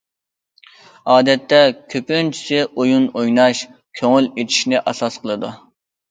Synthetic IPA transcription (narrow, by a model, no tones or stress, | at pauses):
ɑːd̪ɛt̪ːɛkʲʰøpynt͡ʃʰi̥sɪʔojunojnɑʃkʲʰøŋylet̪ʰi̥ʃnɪʔɑsɑsqəlˠɨd̪u